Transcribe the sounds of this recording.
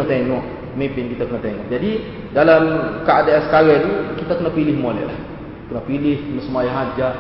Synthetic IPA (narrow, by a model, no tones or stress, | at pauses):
at̪eŋɔʔ | mimpɪnkit̪akənat̪eŋɔ̰ʔd͡ʒadi | dalamkaːdeɛskaɾɛt̪ukit̪akənapilɪhmolɛ̰ʔla̰h | kənapilɪhkənəsəmajaɦad͡ʒa